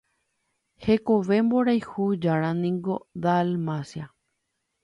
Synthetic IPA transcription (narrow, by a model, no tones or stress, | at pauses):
he̞koʋe̞mboɾajhud͡ʒaɾãnĩŋɡo̞d̪almasja